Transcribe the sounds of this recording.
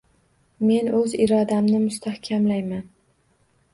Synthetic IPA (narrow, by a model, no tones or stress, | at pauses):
me̞nɵzɪɾɒd̪amnɪmʊst̪ʰahkʲʰamlajman